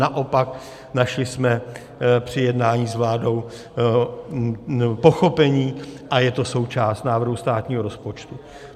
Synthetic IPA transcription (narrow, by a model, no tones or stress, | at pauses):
naʔo̞pak̚ | naʃlɪsmɛ | pr̝̥ɪjɛdnaːɲiːzvlaːdo̞w | po̞xo̞pɛɲiːʔajɛt̪o̞so̞wt͡ʃaːst̪naːvr̩ɦust̪aːt̪ɲiːɦo̞ɾo̞spo̞t͡ʃt̪u